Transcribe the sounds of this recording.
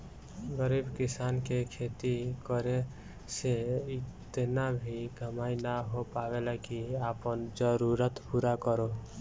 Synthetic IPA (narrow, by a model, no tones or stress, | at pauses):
ɡəɾiːbkɪsaːnkekʰeːt̪ikəɾe | seɪt̪nabʱiɡʱəmaːinaɦopaʋelakiaːpənd͡ʒəɾuɾət̪puɾakəɾo